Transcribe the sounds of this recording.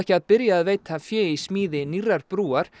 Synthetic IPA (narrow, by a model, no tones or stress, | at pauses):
ɛhcɪaðpɪɾjaːðveːjt̪ʰafjɛːismiːðɪnirːaɾpɾuːaɾ̥